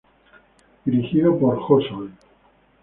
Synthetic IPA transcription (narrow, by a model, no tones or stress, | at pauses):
d̪̥iɾixiðapoɾxosoj